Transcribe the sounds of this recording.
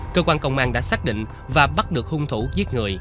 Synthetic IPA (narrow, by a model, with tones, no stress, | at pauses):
kəː˧kwaː˧nkə̰˧˨wŋ͡mʔaː˧˩nɗa̰ː˧˥saː˦˥k̚ɗḭ˧˨ŋ̟ | vaː˨˩ɓa˦˥t̚ɗɨ˨˩ək̚hu˧ŋ͡mt̪ʰu˧˥˦zi˦˥ət̚ŋɨ˨˩əj